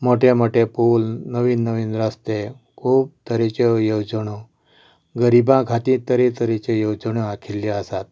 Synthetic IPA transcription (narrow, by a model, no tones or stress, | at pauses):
moʈʰemoʈepoːlnəʋiːnːəʋinɾast̪e | kʰuːb̚t̪əɾet͡ɕejowd͡zəɳo | ɡəɾibãkʰat̪ĩt̪əɾet̪əɾet͡ɕejowd͡ʑəɳ̃oakʰilːjiasat̪̚